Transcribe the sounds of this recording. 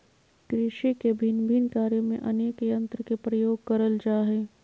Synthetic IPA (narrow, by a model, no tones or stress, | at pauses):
kɾɪʃikebʱɪnbʱinkaːɾjəmẽʔɐneːkjə̃nt̪ɾəkepɾəjoːɡ̚kɐɾəld͡ʒaːɦeː